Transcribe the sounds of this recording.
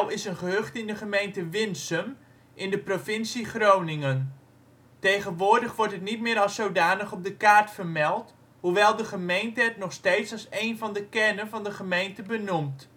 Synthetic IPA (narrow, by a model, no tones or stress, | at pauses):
lˠɪsənχəɦøχtɪndəχəmejntəʋɪnsəm | ʔɪndəprofɪnsiχrownɪŋən | tejχənʋʊːɹdəχʋɔɹtɦətnit̚mɪːɾɑlˠsowdaːnəχɔp̚dəkaːɹtfərmɛlˠt | huʋɛlˠdəχəmejntəɛtnɔχstejtsɑlˠsejnvɑndəkɛrnənvɑndəχəmejntəbənumt